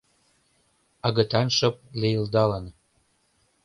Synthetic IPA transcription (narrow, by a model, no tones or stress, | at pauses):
ɑɣət̪ɑnʃɤp̚lejəld̪ɑlən